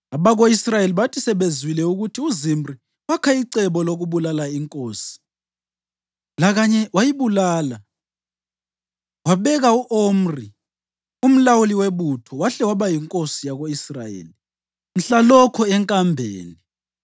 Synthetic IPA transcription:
aβaɣoisrajeliβatʰisɛβezwilɛuɣutʰiuzimri | wakʰaiǀɛβɔloɣuβulalaiŋkʼoːsi̥ | laɣaɲɛwajiβulaːla | waβɛɣauʔom̩ri | um̩lawuliweβutʰɔwaɬɛwaβajiŋkʼosijaɣoisra̰jḛːli | m̩ɬalɔkʰɔɛŋkʼambʱḛːni

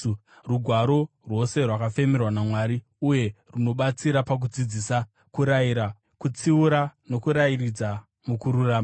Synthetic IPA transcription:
ruɡʱwaɾo̞ | rwo̞se̞rwakafe̞merwanamwaɾi | uje̞runo̞ɓat͡siɾapak̬ud͡zid͡zisa | kuɾajiɾa | kut͡siuɾano̞kuɾairid͡za | mukuɾuraːma

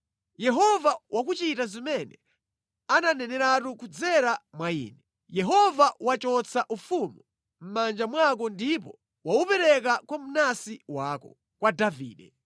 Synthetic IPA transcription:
jɛɦɔvawʔak̬ut͡ʃitazimɛnɛ | ananɛnɛɾatukud͡zɛɾamwaḭːnɛ | jɛɦɔvawat͡ʃɔt͡saʔufumu | m̩mand͡ʒamwak̬ɔndipɔ | waupɛɾɛk̬akwam̩nasiwaːkɔ | kwadavḭːɗɛ

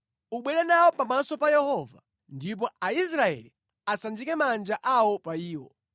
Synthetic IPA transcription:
uɓwɛɾɛnawɔpamasɔpajɛhɔva̰ | ndip̬ɔais̬ɾaɛ̰li | asand͡ʒikɛmand͡ʒaʔawɔpaiːwɔ

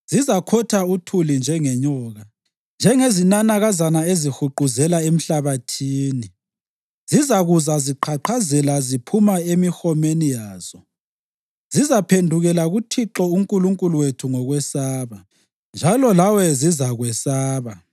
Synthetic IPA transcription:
z̥izakʰɔtʰautʰulind͡ʒʱɛŋɛɲɔːɣa | nd͡ʒʱɛŋezinanaɣazanaezixuǃuzɛlaem̩ɬaβatʰiːni | zizaɣuzaziǃʰaǃʰazɛlazipʰumaemixɔmenijaːz̥ɔ | zizapʰendʱuɣɛlaɣutʰiǁɔuŋkʼuluŋkʼuluwetʰuŋɔɣwɛsaːβa | nd͡ʒʱalɔlawɛzizaɣwɛsaːβa

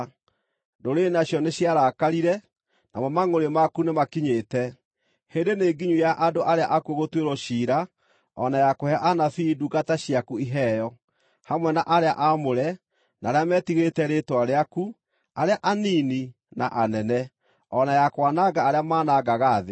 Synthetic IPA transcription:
doɾenaɕjɔneɕjaɾakaɾiɾɛ | na̰mɔmaŋoɾemakunemakiɲetɛ | hendeneːɡiɲujaʔadoʔaɾeaʔakuoɣotweɾɔɕiːɾa | ɔnajakohɛʔanafiduɡataɕiakuiɦɛjɔ | hamwɛnaʔaɾeaʔamoɾɛ | naɾeamɛːtiɣetɛɾetwaɾeaku | aɾeaʔanini | na̰ʔanɛnɛ | ɔnajakwanaɡaːɾeamaːnaɡaɣaːðe

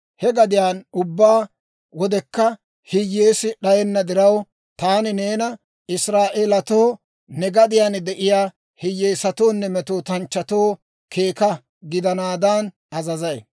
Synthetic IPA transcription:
hɛɡɐd̪ɪjaːnʊbːaː | wɔd̪ɛkːɐ | hɪjːeːsɪɗɐjɛnːɐd̪ɪɾɐw | t̪aːnɪneːnɐ | ɪsɾaːʔeːlɐt̪oː | nɛɡɐd̪ɪjaːnd̪ɛʔɪjaː | hɪjːeːsɐt̪oːnːɛmɛt̪oːt̪ɐnt͡ʃːɐt̪oː | kʰe̞ːkɐ | ɡɪd̪ɐnaːd̪ɐn | ɐzɐzɐj

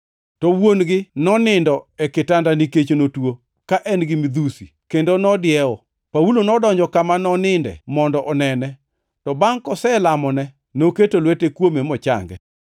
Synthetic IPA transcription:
tɔwonɡɪnɔnɪndɔɛkɪtandaniket͡ʃonotwo | kaʔɛnɡɪmid̪usikendonɔdɪɛɔ | paulonɔdɔɲd͡ʒɔkamanɔnɪndɛ̰mɔndɔʔɔnɛnɛ | tɔbaŋkɔsɛlamɔnɛ | noketolwetekwomemɔt͡ʃa̰ŋɡɛ̰

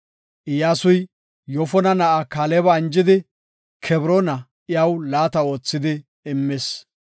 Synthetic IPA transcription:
ʔɪjaːsʊj | jɔfɔnɐnɐʔakaːlebɐɪnd͡ʒɪd̪ɪ | kʰɛbɾonɐʔɪjɐwlaːt̪ɐo̞ːt͡sːɪd̪ɪ | ɪmːes

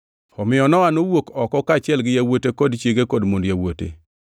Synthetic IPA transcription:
ɔmɪɔnɔanowokɔkɔkat͡ʃɪɛlɡɪjawotekɔdt͡ʃeɡekɔdmondjawotḛ

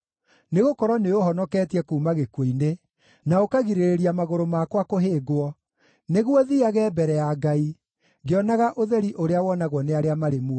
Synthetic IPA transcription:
neɣokɔɾɔneoɦɔnɔkɛːtiɛkuːmaɣekweine | naokaɣiɾeɾeɾiamaɣoɾomakwakoɦeːɡwɔ | neɣwɔðiaɣɛːbɛɾɛjaɡai | ɡeɔnaɣaʔoðɛɾiʔoɾeawɔnaɣwɔneaɾeamaɾemuɔ

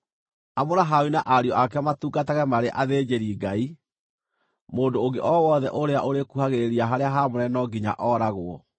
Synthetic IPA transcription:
amoɾaɦawinaʔaɾiɔʔakɛamatuːɡataɣɛmaɾeʔaðeːd͡ʑeɾiːɡai | moːdoːŋɡeʔɔwɔðɛʔoɾeaʔoɾekuhaɣeeɾiaɦaɾeaɦamoɾɛnɔɡiɲa̰ʔɔɾaɣoɔ̰

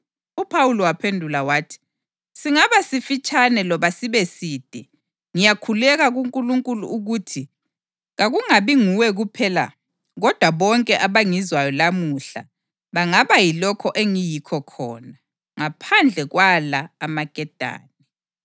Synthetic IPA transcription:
upʰawulɔwapʰendʱulawaːtʰi̥ | siŋaβasifit͡ʃʼanɛlɔβasiβɛsiːd̥ʱɛ | ŋijakʰulɛɣaɣuŋkʼuluŋkʼulṵuɣuːtʰi | ɣaɣuŋaβiŋuwɛɣupʰɛla̰ | ɣɔd̥ʱwaβɔŋkʼɛʔaβaŋizwajɔlamuɬa̰ | βaŋaβajilɔkʰɔʔeŋijikʰɔkʰɔ̰ːna | ŋapʰand͡ɮʱɛɣwalaːmaɡ̥ʱɛd̥ʱa̰ːnɛ

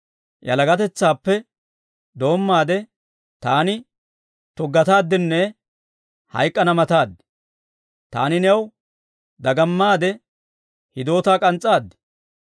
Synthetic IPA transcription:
jɐ̰lɐɡɐt̪ɛt͡sːaːpːɛ | d̪o̞ːmːaːd̪ɛ | t̪aːnɪ | t̪ɔɡɐt̪aːd̪ːɪnːɛ | hɐ̰jkʼːɐnɐmɐt̪aːd̪ːɛ̥ | t̪a̰ːnɪnɛw | d̪ɐɡɐmːaːd̪ɛ | hɪd̪o̞ːt̪aːkʼɐnt͡sʼːaːd̪ːɪ̥

